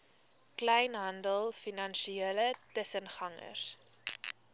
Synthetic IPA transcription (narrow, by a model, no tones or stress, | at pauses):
klɛjnɦɐndəlˠfinɐnʃieələtəsənχɐŋə̰s